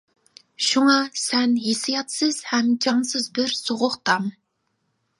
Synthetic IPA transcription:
ʃuŋɑsɛnjesɨjɑt̪sɨz̥hɛmd͡ʒɑŋsɨzbɨɾsoʁʊχt̪ʰɑm

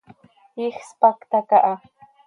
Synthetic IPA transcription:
ixspakt̪akaʔa

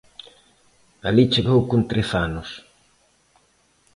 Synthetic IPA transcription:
alit͡ʃeɣowkunt̪ɾeθanʊs

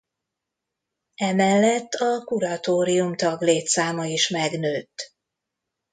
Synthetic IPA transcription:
ɛmɛlːɛt̪ːɒkuɾɒt̪oːɾijumt̪ɒɡleːt̪saːmɒiʃmɛɡnøːt̪ː

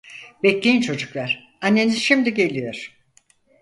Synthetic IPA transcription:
bɛclʲejint͡ʃʰo̞d͡ʒuklˠaɾ̥ | anːe̞nizʃimd̪iɟe̞lʲijoɾ̥

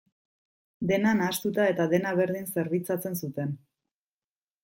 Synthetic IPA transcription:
d̪e̞nanast̪ut̪ae̞t̪aðe̞naβe̞ɾðinse̞ɾβit͡sat͡se̞nsut̪e̞n

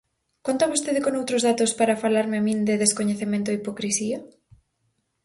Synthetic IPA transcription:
kont̪aβost̪eðɪkonowt̪ɾozðat̪ospaɾafalaɾmeamĩnd̪ɪðeskoɲeθemẽnt̪ʊipokɾisiɐ

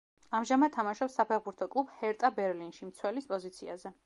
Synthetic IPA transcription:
amʒamad̪̚t̪ʰamaʃɔpsːapʰɛʁbuɾt̪ʰɔkʼlˠubhɛɾt̪ʼabɛɾlinʃimt̪sʰwɛlispʼɔzit̪sʰia̰zɛ

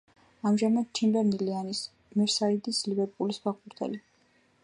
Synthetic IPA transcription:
amʒamad̪̥̚t͡ʃʰimbɛɾnilianis | mɛɾsaid̪islibɛɾpʼulisbaʁuɾt̪ʰɛ̰li

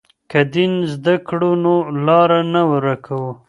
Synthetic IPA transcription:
kad̪inzd̪akɽonolɑɾanawəɾakʰawu

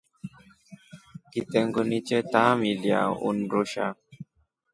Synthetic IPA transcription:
kitɛŋɡonit͡ʃɛtamilja̰ṵnɾoʃa̰

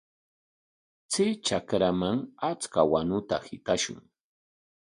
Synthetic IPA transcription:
t͡sɪt͡ʃakɾamaŋat͡skawanʊt̪a̰hɪt̪aʃʊ̰ŋ

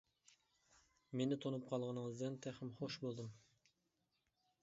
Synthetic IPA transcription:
menɪt̪ʰonup̚qʰɑlˠʁɑnəŋɨzd̪ɨnt̪ʰæχɪmχoʃbolˠd̪ɨm

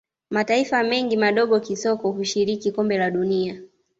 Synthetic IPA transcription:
mataifamɛŋɡimaɗɔɠɔkisɔkɔhuʃiɾikikɔmbɛlaɗunia

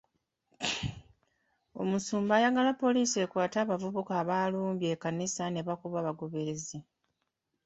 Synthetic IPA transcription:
o̞̰musuːmbaːjaɡalapːo̞liːse̞kwaːtaːβavuβukaːβaːluːmbje̞ːkanisane̞βakuβaːβaɡo̞βe̞ɾe̞zi

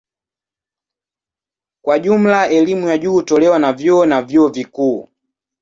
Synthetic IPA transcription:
kwaʄum̩laɛlimujaʄuːtɔlɛwanavjɔɔnavjuɔvikuː

